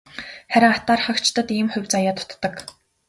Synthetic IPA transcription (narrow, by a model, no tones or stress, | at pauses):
χæɾʲɪ̆ŋat̪aːrχə̆kt͡ɕt̪ə̆t̪iːmχʊ̟wʲt͡sajaːt̪ʰʊ̥t̪ːə̆k